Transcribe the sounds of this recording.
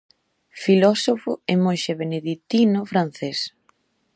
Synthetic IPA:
filɔsofʊemojʃeβeneðit̪inʊfɾan̟θes

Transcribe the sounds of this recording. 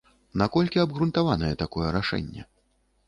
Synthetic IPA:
nakɔlʲkʲiɐbɣɾunt̪avanɐjɛt̪akɔjɛɾaʂɛ̰nʲːɛ̰

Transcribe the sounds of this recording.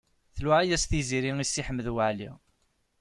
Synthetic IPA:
θlæʕæjæsθiziɾiŋisːiħəmːəðwaʕlḭ

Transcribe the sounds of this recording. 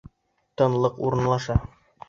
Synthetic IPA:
t̪ɤ̆nlˠɤqṵɾɤ̆nlˠɑʃɑ

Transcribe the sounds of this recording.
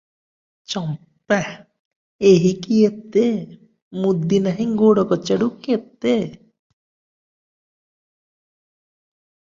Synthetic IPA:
t͡ʃɔm | pːɛ | eɦikiet̪ːe | mud̪ːinaɦiŋɡoɽɔkɔt͡ɕeɽukiet̪ːe

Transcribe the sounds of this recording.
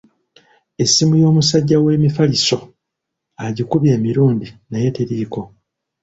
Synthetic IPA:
e̞sːimujo̞ːmusaɟːawe̞ːmifaliso̞ | aɟikuβje̞ːmiɾuːndinajeteɾiːko̞

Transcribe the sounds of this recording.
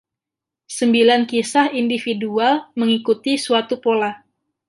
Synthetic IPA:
səmbilankisahindifidualməŋikut̪isuat̪upola

